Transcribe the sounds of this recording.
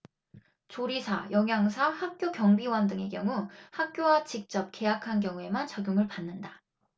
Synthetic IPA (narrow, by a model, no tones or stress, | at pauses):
t͡ɕoɾisʰa̰jʌŋjaŋsʰahak̚k͈jokjʌŋbiwʌndɯŋe̞kjʌŋuhak̚k͈jowat͡ɕik̚t͡ɕ͈ʌp̚ke̞jakʰank̬jʌŋue̞mant͡ɕaɡjuŋɯɭpanːɯnda